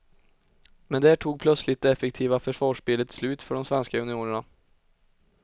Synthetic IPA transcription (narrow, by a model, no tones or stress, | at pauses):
mɛnd̪æʈʰuːɡ̚pʰlœt̪slɪt̪̚d̪ɛɛfːɛk̚t̪ʰiːvafœʂvɑːʂbɪlət̪slʉ̟ːt̪fœɖɔmsvɛnskaɵnɪuːnəɳa